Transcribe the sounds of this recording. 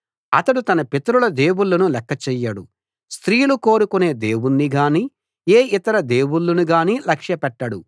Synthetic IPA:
ɐt̪ɐɽut̪ɐnɐpet̪ɐɾulɐd̪e̞ːwuɭːɐnulɛkːɐt͡ʃɛːjːɐɽu | st̪ɾiːluko̞ːɾukune̞ːd̪e̞ːwunːiɡaːni | eːʔit̪ɐɾɐd̪e̞ːwuɭːɐnuɡaːnilɐkʂjɐpɛʈːɐɽu

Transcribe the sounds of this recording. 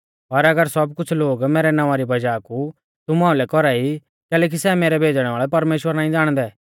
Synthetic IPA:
pɐɾɐɡəɾsɐb̚kʊt͡ʃʰloːɡmeːɾɛnããɾibɐd͡ʒaːku | t̪ʊmãːũlɛkɔɾai | kɛːlɛːk̬isɛmeːɾɛbʱeːd͡ʒɽ̃ɛ̃ʋaːɭɛpɐɾmeːʃwəɾnãːĩd͡zaːɽ̃d̪ɛː

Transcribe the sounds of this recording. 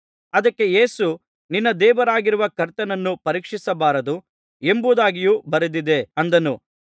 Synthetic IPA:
ɐd̪ɐkːe̞jeːsu | ninːɐd̪ɛːʋɐɾaːɡiɾuʋɐkɐɾt̪ɐnɐnːupɐɾiːkʂisɐbaːɾɐd̪u | e̞mbud̪aːɡijuːbɐɾed̪id̪e̞ɐnd̪ɐnu

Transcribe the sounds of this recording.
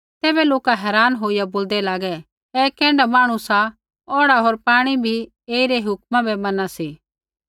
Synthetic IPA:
t̪ɛːbɛloːkaɦɛːɾaːnɦoːijaboːld̪ɛlaːɡɛ | ɛːkɛ̃ːɳɖamaːɽ̃ũsa | ɔːɽaɦoːɾpaːɽ̃ibʱi | eːiɾɛɦʊkmãbɛmɐnasiː

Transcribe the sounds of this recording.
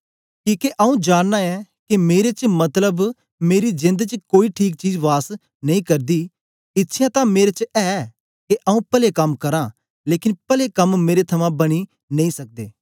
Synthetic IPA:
kiːkeʔəũd͡ʒaːnːaɛkemeːɾet͡ʃəmɐt̪ləb | meːɾid͡ʒɪ̃nd̪t͡ʃəkoːiʈʰiːk̚t͡ʃiːd͡ʒʋaːs | nɐĩːkɐɾd̪iː | ɪt̪ːʃʰjãt̪ãmeːɾet͡ʃɛː | keʔaũpəlekɐmkɐɾãː | leːkɪnpəlekɐmːeːɾet̪ʰɐmãbɐɽ̃i | nɐ̃ĩːsɐk̚d̪eː

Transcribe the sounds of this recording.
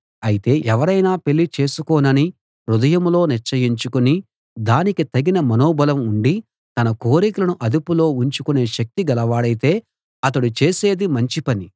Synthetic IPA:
ɐjit̪e̞ːʔɛʋɐɾɐjnaːpe̞ɭːit͡ʃe̞ːsukɔːnɐni | ɾud̪ɐjɐmlo̞ːniɾt͡ʃɐjiɲt͡ʃukuni | d̪aːnikit̪ɐɡinɐmɐnoːbɐlɐmuɳɖi | t̪ɐnɐko̞ːɾikɐlɐnuʔɐd̪upulo̞ːuɲt͡ʃukune̞ːʃɐk̚t̪iɡɐlɐʋaːɽɐjit̪e̞ː | ɐt̪̬ɐɽut͡ʃe̞ːse̞ːd̪imɐɲt͡ʃipɐni

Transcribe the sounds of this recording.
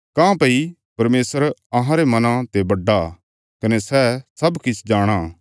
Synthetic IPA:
kãpɐi | pɐɾmeːsəɾɐɦãɾemɐnãt̪ebɐɖːa | kɐnesɛsɐbkɪt͡ʃʰd͡ʒaːɽ̃aː

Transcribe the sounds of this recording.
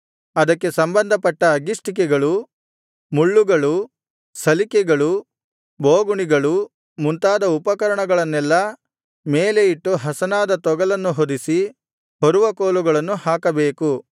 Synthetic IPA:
ɐd̪ɐkːe̞sɐmbɐnd̪ʱɐpɐʈːɐːɡisʈik̬ɛɡɐɭu | muɭːuɡɐɭu | sɐlikɛɡɐɭu | boːɡuɳiɡɐɭu | munt̪aːd̪ɐupɐkɐɾɐɳɐɡɐɭɐnːɛlːɐ | meːle̞iʈːuɦɐsɐnaːd̪ɐt̪ɔɡɐlɐnːuɦod̪isi | hoɾuʋɐkoːluɡɐɭɐnːuhaːkɐbeːku

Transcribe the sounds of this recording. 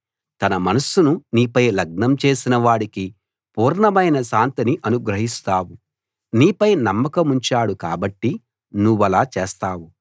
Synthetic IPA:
t̪ɐnɐmɐnɐsununiːpɐjlɐɡ̚ɳɐmt͡ʃe̞ːsinɐʋaːɽiki | puːɾɳɐmɐjnɐʃaːnt̪iniʔɐnuɡɾɐɦist̪aːwu | niːpɐjnɐmːɐkɐmuɲt͡ʃaːɽuka̰ːbɐʈːi | nuʋːɐlaːt͡ʃeːst̪aːwu

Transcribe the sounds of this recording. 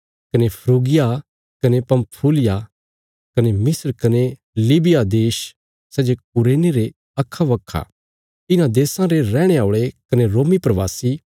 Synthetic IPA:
kɐnepʰɾuːɡɪja | kɐnepɐmpʰuːlɪja | kɐnemɪsəɾkɐne | liːbɪjad̪eːʃ | sɛːd͡ʒok̚ʊɾeːneɾe | ɐkʰːaʋɐkʰːa̰ | ɪnãd̪eːsãɾeɾɛːɽ̃eaːoːɭekɐneɾoːmipɾɐʋaːsi

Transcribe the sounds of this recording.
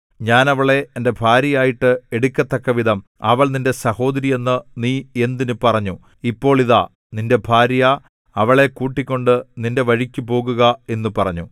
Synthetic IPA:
ɲaːnɐʋɐɭe̞ːnde̞bʱaːɾjɐjaːjiʈːɨe̞ɽukʲːɐt̪ːɐkːɐʋid̪ɐm | ɐ̰ʋɐɭninde̞sɐho̞ːd̪ɐɾijenːɨniːe̞nd̪inɨpɐrɐɲːu | ipːo̞ːɭiða̰ | ninde̞bʱaːɾja | ɐʋɐɭe̞kuːʈːikʲːo̞ɳɖɨninde̞ʋɐɻikʲːupo̞ːɣuɣɐe̞nːupɐrɐɲːu

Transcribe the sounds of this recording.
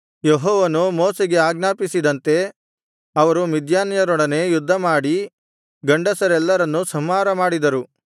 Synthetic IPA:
jeɦɔːʋɐnumoːseɡe̞aːɡnaːpisid̪ɐnt̪e̞ | ɐʋɐɾumid̪ʱjaːnɐjɐɾɔɽɐne̞jud̪ʱːɐmaːɽi | ɡɐɳɖɐsɐɾɛlːɐɾɐnːusɐmaːɾɐmaːɽid̪ɐɾu

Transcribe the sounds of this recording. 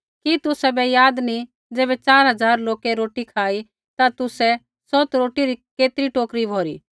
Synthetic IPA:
kit̪ʊsɛbɛjaːd̪ni | d͡zeːbɛt͡ʃaːɾɦɐd͡zaːɾloːkɛɾoːʈikʰaːi | t̪at̪ʊsɛ | sɔːt̪ɾoːʈiɾikeːt̪ɾiʈoːkɾibʱoːɾiː

